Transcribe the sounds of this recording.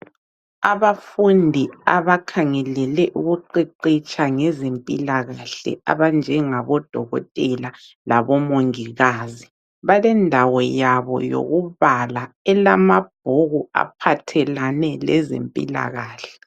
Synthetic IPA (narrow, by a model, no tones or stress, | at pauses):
aβafundʱiaβakʰaŋɛlɛlɛʔuɣuǃiǃit͡ʃʼaŋɛzempʼilaɣaɬɛ̰a̰βand͡ʒʱɛŋaβɔd̥ʱɔɣɔ̰tʼɛla | laβɔmoŋiɣaːzi | βalɛndʱawɔjaβɔ̰jo̰ɣuβala | ɛlamab̥̚ʱoɣua̰pʰatʰɛlanɛlɛ̰zḛmpʼḭla̰ɣaːɬɛ̥